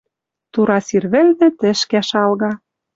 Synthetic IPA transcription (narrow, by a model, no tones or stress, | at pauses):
t̪uɾɑsirβɘ̆lnɘ̆t̪ɘ̆ʃkæʃɑlɣɑ